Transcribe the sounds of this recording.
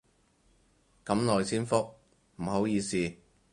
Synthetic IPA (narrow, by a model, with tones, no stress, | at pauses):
kɐ˨˥mlɔː˨jsiː˥nfʊ˥k̚ | m̩˨˩ho˨˥wjiː˨˧siː˨˧